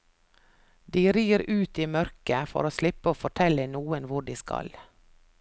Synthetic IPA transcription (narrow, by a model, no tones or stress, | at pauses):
d̪iːɾiːəɾʔʉːt̪iːmœɾkəfɔ̰ɾoːslɪpəoːfɔʈʰɛlənuːənʋʊɖiːskɑ̰l